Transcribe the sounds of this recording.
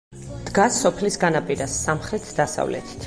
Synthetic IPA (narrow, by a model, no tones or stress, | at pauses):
d̪̥ɡasːɔpʰlisɡanapʼiɾasːamχɾɛt̪ʰd̪asa̰vlɛ̰t̪ʰi̥t̪ʰ